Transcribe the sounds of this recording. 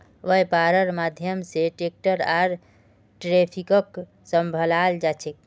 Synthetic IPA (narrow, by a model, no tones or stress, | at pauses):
ʋəjpaɾəɾmad̪ʱjəmseʈek̚ʈəɾaɾ | ʈɾepʰikək | səmbʱəlald͡ʒat͡ʃʰek̚